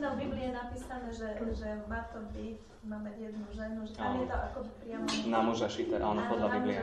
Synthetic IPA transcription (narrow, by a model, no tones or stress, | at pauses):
nɔbiblijɛnapiːsanɛʒɛʒɛmat̪ɔbic | maːmɛjɛd̪nuʒɛnuʒɛʔamjɛt̪ɔʔa̰kɔbipɾɪamɔnamuʒaʃit̪ɛʔaːnɔpɔd̪laiblia